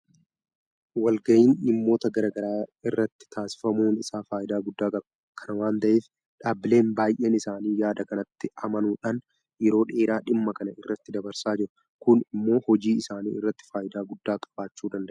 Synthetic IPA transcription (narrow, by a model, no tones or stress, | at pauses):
wɐlɡɐʔiːnɪmːo̞ːt̪ɐɡɐɾaːɡɐɾaːɪrːɐt̪ːɪ̥t̪ʰaːsɪ̥fɐmuːnɪsaːfaːjɪd̪aːɡʊd̪ːaːkʼɐb | kʰɐnɐwaːnt̪ɐʔeːf | ᶑaːbɪle̞ːnbaːjʔeːnɪsaːniːjaːd̪ɐkɐnɐt̪ːɪɐmɐnuːᶑaːn | jɛɾo̞ːᶑe̞ːɾaːᶑɪmːɐkɐnɐɪrːɐt̪ːɪd̪ɐbɐɾsaːd͡ʒɪɾʊ | kʊnɪmːo̞ːhɔd͡ʒiːɪsaːniːɪrːɐt̪ːɪ̥faːjɪd̪aːɡʊd̪ːaːkʼɐ̥b̥aːt͡ʃːuːd̪ɐnd̪ɐʔ